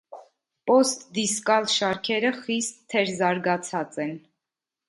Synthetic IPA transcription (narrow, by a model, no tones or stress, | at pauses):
pɔst̪d̪iskɑlʃɑɾkʰɛɾəχist̪ʰːɛɾzɑɾɡɑt͡sʰɑt͡sɛn